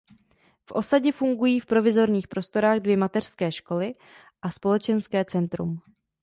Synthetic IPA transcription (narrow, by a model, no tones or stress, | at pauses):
fʔo̞saɟɛfuŋɡujiːfpɾo̞vɪzo̞ɾɲiːxpɾo̞st̪o̞ɾaːɣdvjɛmat̪ɛr̥skɛːʃko̞lɪ | ʔaspo̞lɛt͡ʃɛnskɛːt͡sɛnt̪ɾṵm